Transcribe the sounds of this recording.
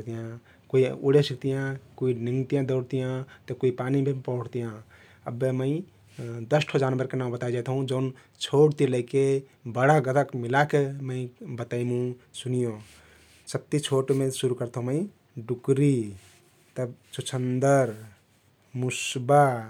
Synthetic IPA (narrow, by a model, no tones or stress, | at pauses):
t̪ijã | koiṵɽesik̚t̪ijãkuiniŋɡt̪ijãd̪əʊɽt̪ijãt̪ɔkuipanibʱepəʊɽt̪ijã | əbːeməɪ̃ | d̪əsʈʰod͡ʒanbəɾkenaw̃bət̪aid͡ʒat̪ɦũd͡ʒən | t͡ʃʰoʈt̪iləɪke | bəɽaɡət̪əkmilakeməɪbət̪aimũsunijõ | səb̚t̪it͡ʃʰoʈmesuɾukəɾt̪ɦũməɪ̃ | ɖukɾi | t̪əbt͡ʃut͡ʃʰənd̪əɾ | musba